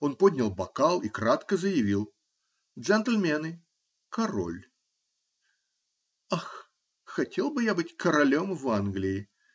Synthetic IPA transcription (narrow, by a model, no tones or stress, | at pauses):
onpodʲnʲɐlˠbɐkalˠikɾat̪kəzəjɪvʲilˠ | ʐɛnt̪lʲmʲɛnɨ | kɐɾo̰lʲ | ax | xɐtʲelˠbɨjabɨtʲkəɾɐlʲomvanɡlʲɪɪ